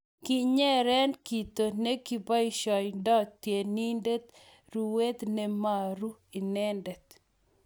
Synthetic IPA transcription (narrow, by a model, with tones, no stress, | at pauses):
kɪ˦ɲɛ˦ɾɛ˦nki˨t̪o˨ne˦ki˨ba˦i˦ʃɔ˨jndɔ˦tːje˨ni˦nde˦t̪ | ɾu˨we˦t̪nɛ˦ma˨ɾu˦i˨nɛ˦ndɛ˨t̪